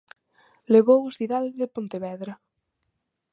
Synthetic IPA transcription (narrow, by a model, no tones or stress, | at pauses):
leβowosθiðalðepont̪eβɛðɾɐ